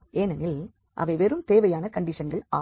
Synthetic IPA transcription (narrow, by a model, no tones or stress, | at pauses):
eːnɐnɪl | ʔɐ̰ʋɐɪʋɛɾɯmt̪eːʋɐjaːnɐkɐɳɖɪʂɐnɡɐɭa̰ː